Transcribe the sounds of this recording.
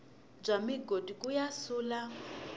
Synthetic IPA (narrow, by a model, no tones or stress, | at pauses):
b͡ʐamiɡodikʼujasuːla